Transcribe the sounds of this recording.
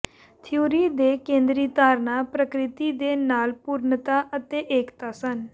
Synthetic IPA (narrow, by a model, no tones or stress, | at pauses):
t̪ʰɪjoːɾiːd̪eːkẽːnd̪ɾiːt̪aːɾnaːpɾəkɾɪt̪iːd̪eːnaːlpuːɾnət̪aːʔət̪eːʔeːkt̪aːsən